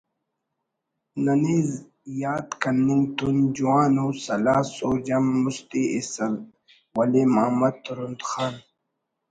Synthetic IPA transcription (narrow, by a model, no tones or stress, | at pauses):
nɐniːz | jaːt̪kɐnːiŋɡt̪und͡ʑuwaːnoːsɐlaːsoːd͡ʑɐmːust̪iesɐl | wɐlemaːmɐt̪ɾund̪xaːn